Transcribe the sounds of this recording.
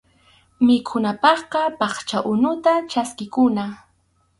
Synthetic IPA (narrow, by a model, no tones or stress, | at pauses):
mɪkʰʊnapɑχqɑpɑχt͡ʃaʔʊnʊt̪at͡ʃaskɪkʊna